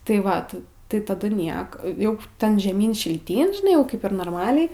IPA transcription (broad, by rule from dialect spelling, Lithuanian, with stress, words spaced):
tɐɪ ˈʋɐt tɐɪ tɐˈdʊ ˈnʲiɛk ˈjɛʊ ˈtʲɛn ʒʲɛˈmʲiːn ʃʲɪlʲˈtʲiːn ʒʲɪˈnɐɪ jɛʊ ˈkɐɪp ɪr noːrˈmɑːlʲɛɪ